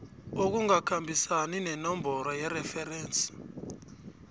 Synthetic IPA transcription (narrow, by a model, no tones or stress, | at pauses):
ok̬uŋakʰambʱisaninɛnɔmbʱɔɾɔjɛrɛfɛɾɛːnsʼi̥